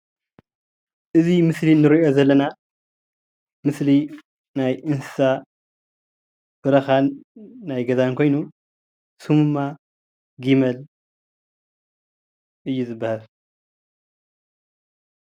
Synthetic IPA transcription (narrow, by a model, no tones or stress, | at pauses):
ʔɨzimɨslinɨɾo̞zɐlːɐna | mɨsli | najʔɨnsɨ̥sa | bɨɾɐxanːajɡɐzankʰo̞jnu | sumuma | ɡimɐl | ʔɨjːuzɨbːahal